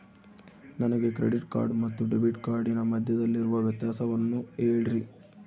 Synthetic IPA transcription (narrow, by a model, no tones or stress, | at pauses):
nɐnɐɡe̞kɾḛɖiʈka̰ːɾɖmɐt̪ːuɖebiʈkaːɾɖinɐmɐd̪ʱjɐd̪ɐlːiɾuʋɐʋjɐt̪jaːsɐʋɐnːueːɭiɾi